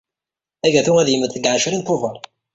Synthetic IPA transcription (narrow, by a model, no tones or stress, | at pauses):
æʝæθuŋæðjəməd̪θəɡʕaʃɾint̪ʊvəɾˤ